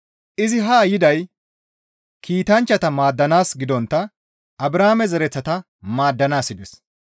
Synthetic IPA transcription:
ʔɪzɪɦaːjɪd̪ɐj | kʰiːt̪ɐnt͡ʃːɐt̪ɐmaːd̪ːɐnaːsɡɪd̪ɔnt̪ːɐ | ɐbɾaːmɛzɛɾɛt͡sːɐt̪ɐ | maːd̪ːɐnaːsɪd̪ɛs

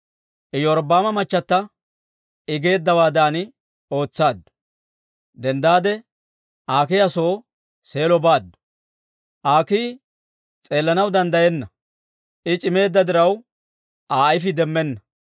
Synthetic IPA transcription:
ʔɪjɔɾbaːmɐmɐt͡ʃːɐt̪ːɐ | ɪɡe̞ːd̪ːɐwaːd̪aːnɪ | o̞ːt͡sːaːd̪ːʊ̥ | d̪ɛnd̪aːd̪ɛ | ʔaːk̬ɪjɐso̞ː | se̞ːlɔbaːd̪ːʊ̥ | ʔaːkiː | t͡sʼe̞ːlːɐnɐwd̪ɐnd̪ɐjɛnːɐ | ʔɪt͡ʃʼɪme̞ːd̪ːɐd̪ɪɾɐw | ʔaːɐjɪfɪd̪ɛmːɛnːɐ

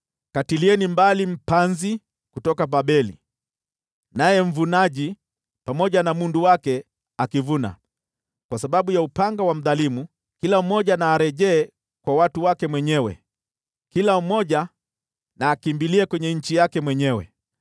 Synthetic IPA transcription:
katiliɛnimbalim̩panzi | kutɔkapaɓɛlḭ | najɛm̩vunaʄi | pamɔʄanamunduwakɛ | akivuna̰ | kwasaɓaɓujaupaŋɡawam̩ðalimu | kilam̩mɔʄanaːɾɛʄɛː | kwawatuwakɛmwɛɲɛwɛ̰ | kilam̩mɔʄa | naːkimbiliɛkwɛɲɛɲ̩t͡ʃijakɛmwɛɲɛwɛ̰

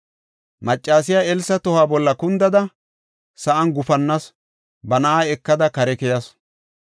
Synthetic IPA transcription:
mɐt͡ʃʼːaːsɪjaːɛlsɐt̪ɔhaːbɔlːɐkʊnd̪ɐd̪ɐ | sɐʔɐnɡʊfɐnːɐs | bɐnɐʔaːɛkːɐd̪ɐkɐɾɛkɛjɐs

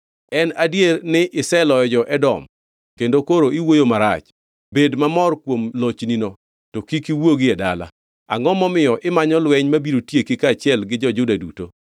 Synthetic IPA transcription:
ɛnadjeɾnɪʔɪsɛlɔjɔd͡ʒɔʔɛdɔ̰m | kendokoɾoiwojomaɾa̰t͡ʃ | bedmamɔrkwomlot͡ʃninɔ | tokikiwoɡiɛda̰la̰ | a̰ŋɔmɔmɪjɔʔɪmaɲɔlwɛɲmabiɾotjekikat͡ʃɪɛlɡɪd͡ʒɔd͡ʒʊdaduto̰

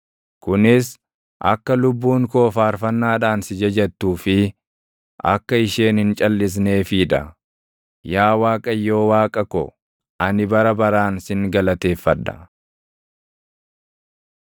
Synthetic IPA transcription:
kʊnɪs | ʔɐ̰kːɐlʊbːuːŋko̞ːfaːɾfɐnːaːᶑaːnsɪd͡ʒɐd͡ʒɛt̪ːuːfɪ | ʔɐ̰kːɐɪʃeːnhɪnt͡ʃʼɐlːɪs̬neːfiːᶑɐ̰ | jaːwaːkʼɐjːo̞ːwaːkʼɐkɔ̰ | ʔɐnɪbɐɾɐbɐɾaːnsɪŋɡɐlɐt̪e̞ːfːɐᶑːɐ̰

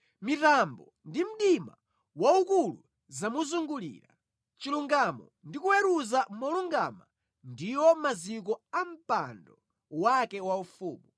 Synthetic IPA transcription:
mitambɔ | ndim̩ɗima̰ | waukulu | zamuzuŋɡulḭːɾa | t͡ʃiluŋɡamɔ | ndikuwɛɾuzamɔluŋɡama | ndiwɔmazik̬ɔam̩pa̰ndɔ | wakɛwaufuːmu

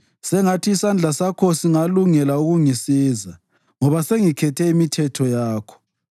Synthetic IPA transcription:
sɛŋatʰiːsand͡ɮʱasakʰɔsiŋaluŋɛlauɣuŋisiːza | ŋɔβaseŋikʰɛtʰɛimitʰɛtʰɔjaːkʰɔ̥

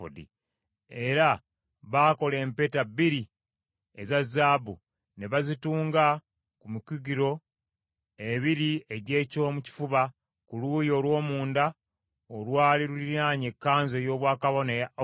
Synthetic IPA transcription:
dḭ | eɾa | βaːko̞le̞ːmpe̞tabiɾi | e̞zazaːbu | ne̞βazituːŋɡa | kumukiɡiɾo̞ | e̞βiɾie̞ɟe̞ːco̞ːmuci̥fuβa | kuluːjo̞ːlwo̞ːmuːnda | olwaːliɾuliɾaːɲe̞kːaːnze̞jo̞ːβwaːkaβo̞nej

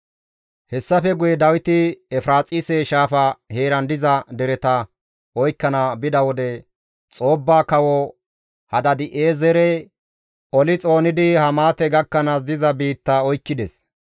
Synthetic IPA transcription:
hɛsːɐfɛɡʊjɛd̪ɐwɪt̪ɪɛfɾaːt͡sʼɪsɛʃaːfɐhe̞ːɾɐnd̪ɪzɐd̪ɛɾɛt̪ɐ | ɔjkːɐnɐbɪd̪ɐwɔd̪ɛ | t͡sʼo̞ːbːaːkɐwɔ | hɐd̪ɐd̪ɪʔeːzɛɾɛ | ʔɔlɪt͡sʼo̞ːnɪd̪ɪhɐmaːt̪ɛɡɐkːɐnɐs̬d̪ɪzɐbiːt̪ːɐɔjkːɪd̪ɛs

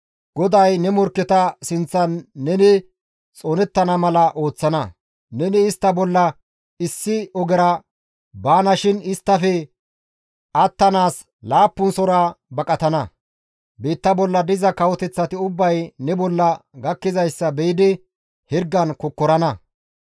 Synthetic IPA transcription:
ɡ̥ɔd̪ɐjnɛmɔɾkːɛt̪ɐsɪnt͡sːɐnːɛnɪ | t͡sʼoːnɛt̪ːɐnɐmɐlɐʔo̞ːt͡sːɐnɐ | nɛnɪːst̪ːɐbɔlːɐ | ɪsːɪɔɡɛɾɐ | baːnɐʃɪnɪst̪ːɐfɛ | ɐt̪ːɐnaːs | laːpːʊnsɔɾaːbɐkʼɐt̪ɐnɐ | beːt̪ːɐbɔlːɐd̪ɪzɐkɐwɔt̪ɛt͡sːɐt̪ɪʊbːɐjnɛbɔlːɐɡɐkːɪzɐjsːɐbɛjɪd̪ɪ | hɪɾɡːɐnkɔkːɔɾɐnɐ

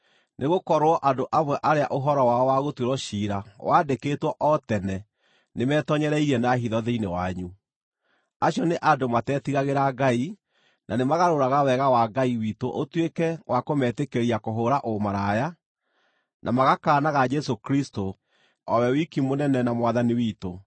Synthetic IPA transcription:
nʔeɣokɔɾwɔʔadoʔamwɛʔaɾeaʔoɦɔɾɔwaɔwaɣotweɾɔʃiːɾawaːdeketwɔʔɔtɛnɛ | nemɛːtɔɲɛɾɛiɾɛnaɦiðɔðeinewaɲu | aɕjɔneʔadomatɛːtiɣaɣeɾaɡai | nʔanemaɣaɾoɾaɣawɛɣawaɡaiwiːtoʔotwekɛwʔakomɛtekeɾiakoɦoːɾaʔomaɾaja | nʔamaɣakaːnaɣad͡ʒɛsokɾisto | ɔwɛwikimonɛnɛnamwaðaniwiːto

